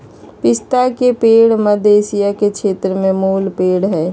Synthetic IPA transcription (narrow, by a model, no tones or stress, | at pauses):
pɪst̪akepeːɽməd̪ʱeːsijakekʰʃʰeːt̪ɾəmẽmuːlpeːɽɦɛː